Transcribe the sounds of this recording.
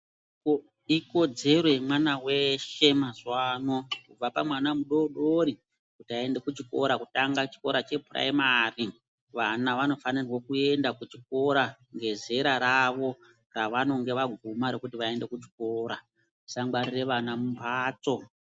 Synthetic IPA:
iko̞d͡ze̞rwe̞mwanawe̞ʃe̞mazwaːno̞kub͡vapamwanamuɗo̞ɗoɾi | kutiae̞nde̞kut͡ʃiko̞̰ɾakutaŋɡat͡ʃi̥ko̞ɾat͡ʃe̞pura̰imari | ʋanaʋano̞fanirwo̞kue̞ndakut͡ʃik̚o̞ɾa | ŋɡe̞ze̞ɾaɾaʋo̞ | raʋano̞ŋɡe̞ʋaɡʱumaɾe̞kutiʋae̞nde̞kut͡ʃi̥ko̞ːɾa | usaŋɡarire̞ʋanamumbʱaːt͡so̞

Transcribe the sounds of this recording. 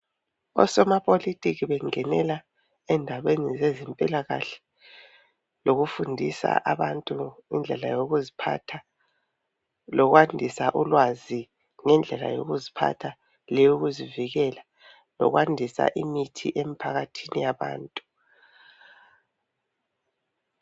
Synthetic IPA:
ɔ̰sɔmapʼolitʼiɣiβɛŋɛnɛla | ɛndʱaβenizezɛmpʼilaɣaɬɛ̥ | loɣufundʱisa̰ʔaβantʼuŋḭnd͡ɮʱɛlajoɣuzipʰatʰa | lɔɣwandʱisaʔulwazi | ŋɛnd͡ɮʱɛla̰jo̰ɣuzipʰa̰tʰa | lɛjuɣuziviɣɛla | lɔ̰ɣwandʱisa̰ʔimitʰḭʔemipʰaɣatʰinijaβa̰ːntʼu̥

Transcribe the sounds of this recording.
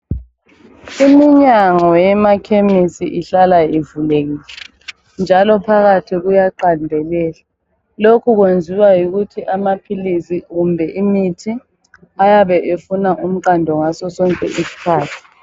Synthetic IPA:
imiɲaŋɔjɛmakʰemisḭʔiɬalajivuleɣiːlɛ | nd͡ʒʱalɔpʰaɣatʰiɣujaǃandʱɛlɛːla | lokʰuɣwend͡zʱiwajuɣutʰiʔamapʰilisiɣumbʱɛʔimitʰi | ajaβɛʔefunaʔum̩ǃandʱɔŋasɔsɔŋkʼɛ̰ʔisi̥kʰaːtʰi̥

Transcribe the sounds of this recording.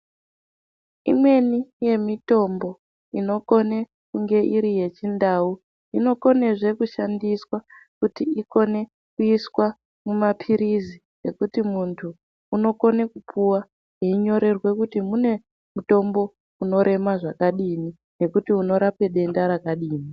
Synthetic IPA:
ḭmwe̞nije̞mito̞mbo̞ | ino̞ko̞ne̞ | kuŋɡe̞ʔiɾije̞t͡ʃindau | ino̞ko̞ne̞ʐe̞kuʃandiswakutiiko̞ne̞ | kuiswa | mumapʰiɾizi | e̞kutimuntʰuː | no̞ko̞ne̞kupʰuwa | ɦeiɲo̞ɾe̞rwe̞kutimune̞ | muto̞mbo̞ | uno̞ɾʔe̞maʐakaɗini | ne̞kutiuno̞ɾape̞ɗe̞ndaɾakaɗiːni

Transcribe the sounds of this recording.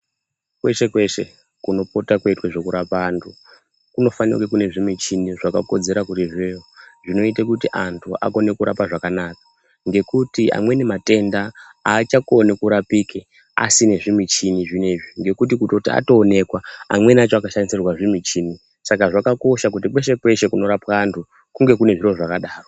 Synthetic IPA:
kwe̞ʃe̞kwe̞ʃḛ | kuno̞po̞takweitweʐo̞kuɾapaːntʰu | kuno̞fanḭrwekune̞ʐimit͡ʃiniʐakako̞d͡ze̞ɾakutiʐejoʐino̞itekutiʔantʰua̰ko̞ne̞kuɾa̰paʐakanakḁ | ŋɡe̞kutia̰mwe̞nemate̞ndaat͡ʃakonekuɾapike | a̰sine̞ʐimit͡ʃiniʐine̞ʐiŋɡe̞kutikutotia̰to̞ːne̞kwaamwe̞nat͡ʃoakaʃanisirwaʐimit͡ʃini | sakaʐakako̞ʃak̬utipwe̞ʃe̞pwe̞ʃe̞kuno̞ɾapaːntʰu | kuŋɡe̞kune̞ʐiro̞ʐakaɗaːro

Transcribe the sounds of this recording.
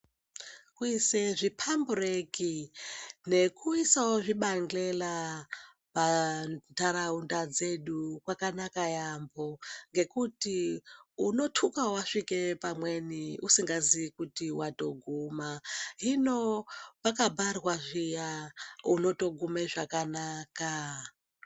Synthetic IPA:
kuiseʐipʰambureki | ne̞kuisawoʐiɓaŋɡlela | pantaɾaundad͡ze̞ɗukwakanakajambo̞ŋɡe̞kutiuno̞tʰukawaʂike̞pamwe̞niusiŋɡaziikutiwato̞ɡʱumaɦinopakabʱarwaʐijauno̞to̞ɡʱumeʐakanaːka

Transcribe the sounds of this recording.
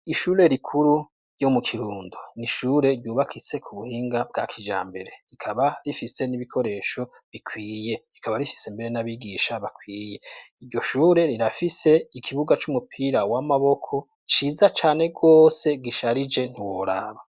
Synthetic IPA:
iʃuːɾe̞ɾikʰuɾu | ɾɟo̞mukʰiɾuːnduniʃuːɾe̞ɾɟuːβakʰise̞kʰuβuhiːŋɡab̚ɡa̰ːkʰid͡ʒa̰ːmbe̞ɾe̞ɾikʰaβaɾifise̞niβikʰo̞ɾe̞ːʃo̞ | βikʰwiːje̞ɾikaβaɾifi̥sembe̞ɾenaβiɡiːʃaβakwiːje̞iɾɟo̞ʃuːɾe̞ɾiɾafise̞ikʰiβuɡat͡ʃumupʰiɾawamaβo̞kʰo̞ | t͡ʃiːzat͡ʃaːne̞ɡo̞ːse̞ɡiʃaɾid͡ʒe̞n̥iwoɾa̰βa

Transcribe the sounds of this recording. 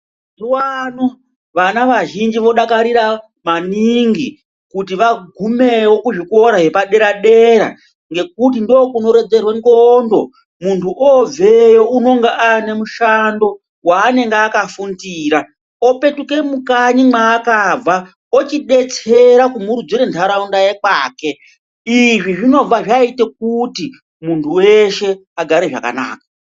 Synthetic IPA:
zuwano | ʋanaʋaʒind͡ʒiʋo̞ɗakaɾiɾa | maniŋɡi | kutiʋaɡʱume̞wo̞kuʐiko̞ɾaɦe̞paɗe̞ɾaɗe̞ɾa̰ | ŋɡe̞k̚ut̬indoːkuno̞ɾe̞d͡ze̞rweŋɡondo̞ | muntʰuʔob͡vejouno̞ŋɡeʔane̞muʃando̞ | waːne̞ŋɡeakafundiːɾa | o̞pe̞tuke̞mukaɲimaːkab͡va | ot͡ʃiɗe̞t͡se̞ɾakumuɾud͡zwiɾentʰaɾaundajekwaːke̞ | iʐiʐino̞b͡vaʐaitek̚uti | muntʰuwe̞ʃe̞aɡʱaɾeʐa̰ka̰na̰ːkḁ

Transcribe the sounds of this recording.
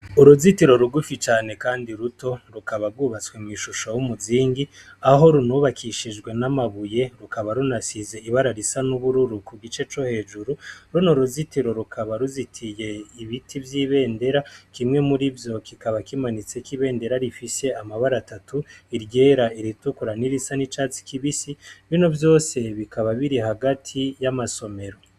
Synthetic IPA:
uɾuzitiɾo̞ɾuɡufit͡ʃaːne̞kaːndiɾuto̞ɾukaβaɾɡwuβat͡skwe̞mŋiʃuʃojumuziːŋɡi | aɦo̞ɾunuβakʰiʃid͡ʒɡwe̞namaβuje̞ɾukaβaɾunasize̞iβaɾaɾisanuβuɾuɾukuɡit͡ʃe̞t͡ʃo̞he̞ːd͡ʒuɾuɾunoɾuzitiɾo̞ɾukʰaβaɾuzitʰije̞iβitʰivjiβe̞ːnde̞ɾakimŋe̞muɾivjo̞kikaβakimanit͡sekiβe̞ːnde̞ɾaɾifise̞amaβaɾatatuiɾɟe̞ːɾaiɾitukuɾaniɾisanit͡ʃaːt͡si̥kiβisiβino̞vjo̞ːse̞βikaβaβiɾiɦaɡatʰijamaso̞me̞ɾo̞

